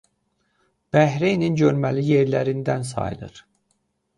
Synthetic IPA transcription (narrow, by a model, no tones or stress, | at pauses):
b̥æɦɾejninɟøɾmælijeɾlæɾind̪ænsɑ̰jlˠɯ̰ɾ̥